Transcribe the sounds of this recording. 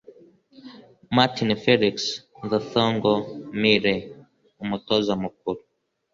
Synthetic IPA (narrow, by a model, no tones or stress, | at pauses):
matinfɛliks | ðaθɔŋɡɔmiɾɛ | umutɔzamup̚ulu